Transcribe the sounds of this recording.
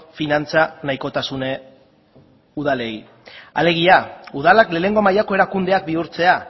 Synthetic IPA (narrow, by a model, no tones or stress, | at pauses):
finant͡sanajko̞t̪asune | uð̞ale̞j | a̰le̞ɣ̞iauð̞alakle̞ːne̞ŋɡo̞majako̞e̞ɾakund̪e̞ak̚biuɾt͡se̞a